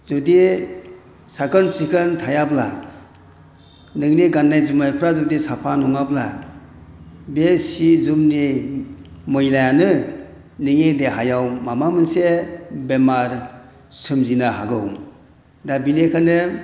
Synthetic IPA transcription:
zɯdi | sakɯnsikʰɯntʰajapla̰ | nɯŋniɡanːajzɯmajpʰɾazɔwdisapʰanɔŋapla | besizumni | mɯjlajanɯ | niŋedeɦajawmamamɯnsebemaɾ | sɯmzinaɦa̰ɡɯw | dabinekʰanɯ

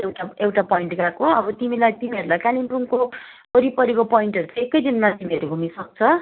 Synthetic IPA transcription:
ewʈaewʈapʌiɳʈɡakoʌbʌt̪imilajt̪imiʌɾulajkalimpuŋko | ʌɾipʌɾekopʌiɳʈʌɾut͡seekːʌjd͡zinmat̪imiʌɾuɡʱumisʌk̚t͡sʰʌ

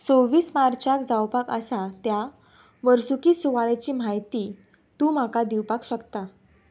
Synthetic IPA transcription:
t͡soʋiːsmaɾt͡ɕakd͡zawpakəsat̪ja | ʋəɾsukiːsuʋaɭet͡ɕiːm̤ajt̪iː | t̪ũm̤akad̪iwpakɕəkt̪a

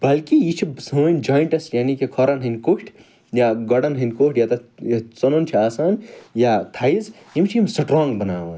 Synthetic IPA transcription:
bɐlkijit͡ʃʰisɐmɐjnd͡ʒaːjiɳʈɐsjaːnikekʰɔɾɐnɦɐnkoʃʈ | jaɡɔɖɐnɦɐnkoːʃʈjat̪ɐt͡sɐnont͡ʃʰiaːsaːnjat̪ʰaːiz | jimt͡ʃʰiimsɐʈɾoːŋɡbɐnaːʋan

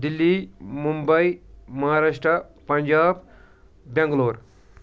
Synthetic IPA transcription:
d̪ilːimumbəjmɐɦaɾaːʂʈɾəpɐnd͡ʒaːb | bjɐŋɡloːɾ

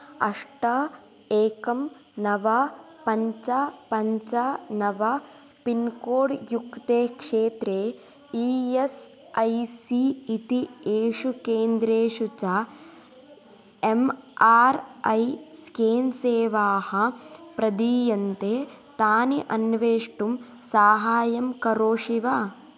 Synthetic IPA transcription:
ɐ̰ʂʈɐ | eːkɐm | nɐʋɐpɐɲt͡ʃɐpɐɲt͡ʃɐnɐʋɐ | pinkoːɽjukt̪eːkʂeːt̪ɾeː | iːes | ɐjsiːt̪ieːʂukeːnd̪ɾeːʃut͡ʃaː | emaːɾɐjskeːnseːʋaːhɐpɾɐd̪iːjɐnt̪e | t̪aːniʔɐnʋeːʂʈum | saːɦaːjɐmkɐɾoːʂiʋaː

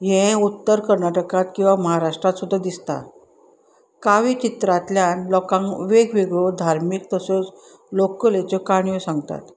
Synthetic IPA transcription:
jẽut̪ːəɾkəɾnaʈəkat̪kĩw̃ʋaməɦaɾaʂʈɾat̪sud̪ʱːad̪ist̪a̰ | kaʋit͡ɕit̪ɾat̪ljanlɔkãŋʋeɡʋeɡɭod̪ʱaɾmik̚t̪əsot͡s | lokːəlet͡ɕɔkaɽjosãŋɡt̪a̰t̪

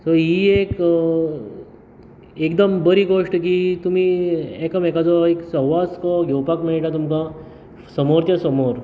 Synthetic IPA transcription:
sɔɦiek | ekd̪əmbəɾiːɡoʂʈkit̪um̤iːekəmekad͡zɔeksəɦʋaskɔɡʱewpaknaɦiʈat̪̬umkã | səmoɾt̪jəsɔmoɾ

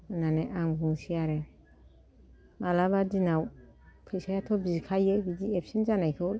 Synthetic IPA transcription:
nanɛʔaŋbuŋsiaɾɛ | malaβadinawpʰisajatʰɔbizkʰajɛbidiɛpsinzanajkʰɔl

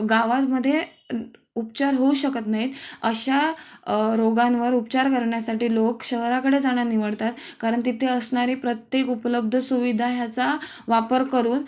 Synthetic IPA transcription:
ɡaʋat̪məd̪ʱːje | upt͡ɕaɾɦouɕəkət̪naɦiːt̪əɕa | ɾoɡãnʋəɾupt͡ɕaɾkəɾɳjasaʈiːlokɕəɦɾakəɽed͡zaɽ̃aniʋəɽt̪at̪kaɾəɳt̪̬it̪ʰeəsɳaɾiːpɾət̪jekupləb̚d̪ʱəsuʋid̪ʱaɦjat͡sa | ʋapəɾkəɾuːn

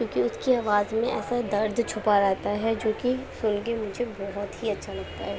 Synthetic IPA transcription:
kjõːkiʊskeaːʋaːzmẽʔɛ̰ːsad̪ɐɾd̪ʱt͡ʃʰʊpaɾɛːt̪aɦɛd͡ʒoːkisʊnɡemʊd͡ʒʱebɔɦɔt̪ɦiɐtːʃʰalɐɡt̪a̰ɦɛː

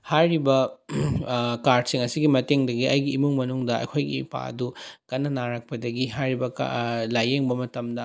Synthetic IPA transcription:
hajɾibɐ | kaɾd̚siŋɐsiɡimɐteŋdɐɡiʔɐjɡiːmuŋmɐnuŋdɐɐ̰jkʰojɡḭpa̰ɐ̰dukɐnːɐnaɾɐk̚pɐdɐɡiɦajɾibɐa̰lajːeŋbɐmɐtɐmdɐ

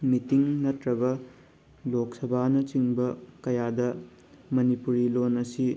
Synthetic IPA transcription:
mitiŋnɐtɾɐbɐ | loksɐbʱanɐt͡ʃiŋbɐkɐjadɐ | mɐnipuɾilonɐsi

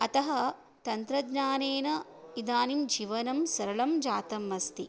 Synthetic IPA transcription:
ɐt̪ɐɦɐ | t̪ɐnt̪ɾɐdɲaːneːnɐ | id̪aːnimd͡ʒiːʋɐnɐmsɐɾɐɭɐmd͡ʒaːt̪ɐmːɐst̪i

